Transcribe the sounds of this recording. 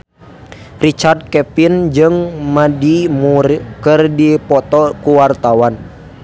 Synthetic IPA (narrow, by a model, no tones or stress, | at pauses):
rit͡ʃard̪̚kɛpind͡ʒɨŋmadimurkɨrdipɔt̪ɔkuwart̪awan